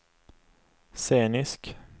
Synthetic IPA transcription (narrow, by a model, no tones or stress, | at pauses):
seːnɪsk